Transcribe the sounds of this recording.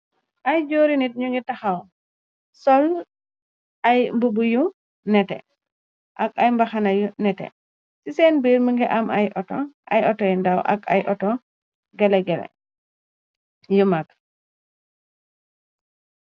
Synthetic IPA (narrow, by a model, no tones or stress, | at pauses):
ʔajd͡ʒoɾinit̚ɲuŋɡɛtaxaw | sɔl | ʔajmbubuju | nɛtɛ̰ | ʔakajmbaxanajunɛtɛ̰ | sisɛnbiːɾməŋɡɛʔamajʔɔtɔʔa̰jɔtɔjndawʔa̰ka̰jʔɔtɔ | ɡɛlɛɡɛlɛ̰ | jumak̚